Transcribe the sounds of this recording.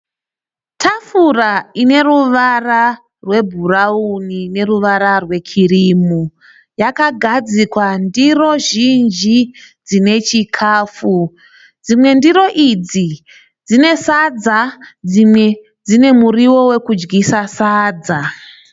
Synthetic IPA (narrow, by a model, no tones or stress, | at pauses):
tʰafuraine̞ruʋara | rwe̞bʱuraunine̞ruʋaɾarwe̞kʰiriːmu | jakaɡʱad͡zikwandiro̞ʒind͡ʒid͡zine̞t͡ʃikʰaːfu | d͡zimwe̞ndiɾo̞ʔid͡zi | d͡zine̞sad͡zad͡zimwe | d͡zine̞muriwo̞we̞kud͡ʒɡisasaːd͡za